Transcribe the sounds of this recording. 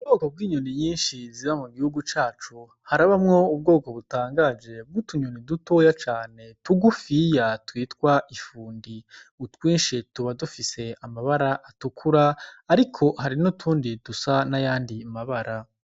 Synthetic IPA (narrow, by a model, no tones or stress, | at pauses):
ubɡo̞ːko̞b̚ɡiːɲuniɲiːnʃiziβamuɡihuɡut͡ʃaːt͡ʃu | haɾaβamŋo̞ub̚ɡo̞ːko̞βutaːŋɡad͡ʒe̞b̚ɡutuɲuniduto̞jat͡ʃaːne̞tuɡufijatwiːtkwaʔifuːndiutwiːnʃituβadufise̞amaβaɾaʔatukʰuɾaːɾikʰo̞haɾinutʰuːndidusanajaːndimaβaɾa